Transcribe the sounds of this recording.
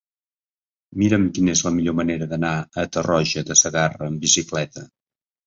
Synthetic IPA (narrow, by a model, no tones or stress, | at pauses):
miɾəmkinezləmiʎoməneɾəðənaət̪ərɔʒəd̪əsəɣarəːmbisiklɛt̪ə